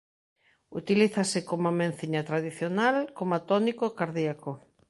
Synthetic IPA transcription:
ṵt̪iliθasɪkomamẽnθiɲat̪ɾaðiθjonalkomat̪ɔnikokaɾðiako

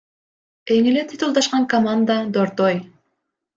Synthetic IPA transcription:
eŋelet̪ʰit̪ulˠd̪ɑʃqɑŋkɐmand̪ad̪oɾt̪oj

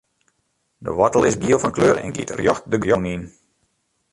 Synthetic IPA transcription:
də̰ʋɑtəlˠɪsɡiəlˠfɑnkløːɾɛ̰nɡḭətrjɔxt̚dəɡjɔnin

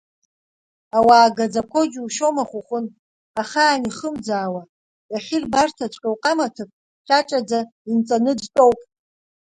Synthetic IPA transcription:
awaːɡad͡zakʷʰo̞d͡ʒʲuʃo̞maχʷʊχʷʊn | aχaːniχəmd͡zaːwa | jaχʲirbartʰat͡ʃʷʼkʲʼawqʼamatʰɨpʼ | ʃʰʼat͡ʃʼad͡zaint͡sʼanɨdtʼowpʼ

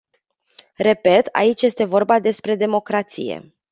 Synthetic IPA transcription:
re̞pe̞t̪a̰it͡ʃje̞st̪e̞vo̞rbad̪e̞spɾe̞d̪e̞mo̞kɾat̪sḭjḛ

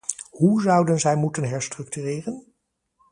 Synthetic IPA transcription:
huzʌwdənzɛjmutənɦɛɹstrɵk̚tyːrɪːrən

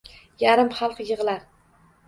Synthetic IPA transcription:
jaɾɪmχɑlˠqjɨʁlaɾ

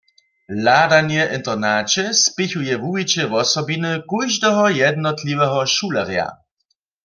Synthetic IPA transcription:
ladanjɛʔɪnt̪ɛʁnaːt͡ʃɛspɪçujɛvuwit͡ɕɛʋɔsɔbinɨkujʒdɛɦɔjɛd̪nɔtliwɛɦɔʃuːlɛʁja̰

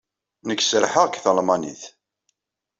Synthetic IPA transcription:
nəkːsəɾħəʁkθəlmɑnḭθ

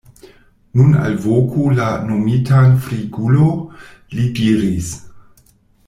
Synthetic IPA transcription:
nuna̰lvokʰolanomitanfɾiɡulo | lidiɾis

